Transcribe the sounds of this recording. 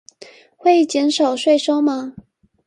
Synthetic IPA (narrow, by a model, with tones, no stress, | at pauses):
xwe˥˩ɪt͡ɕjɛ˧˥nʂɑ˨˩ʊʂwe˥˧ɪʂo˥ʊma˨